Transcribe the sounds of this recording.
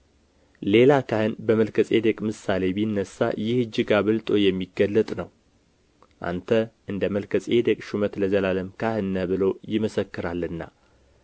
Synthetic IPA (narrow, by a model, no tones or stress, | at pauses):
le̞lakʰahɨnbəməlkʰəsʼe̞d̪əkʼmɨsale̞bijnːəsːa̰jɪhɨd͡ʒːɪɡaβɨlt̪ʼo̞jɛmːiɡəlːət̪ʼnəw | ʔa̰nt̪ʰəʔɨnd̪əməlkʰəsʼed̪əkʼʃumət̪ləzəlaləmkʰahɨnːəbɨlo̞jɪməsəkːɨɾalːɨnːa̰